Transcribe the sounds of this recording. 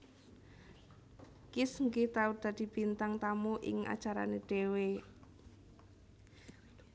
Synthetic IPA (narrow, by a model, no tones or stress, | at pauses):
kɪsŋɡit̪aud̪̥ä̤d̪̥i̤b̥i̤nt̪aŋt̪amuʔɪ̰ŋa̰̥d͡ʒʒ̥aɾa̰neɖ̪̥e̤we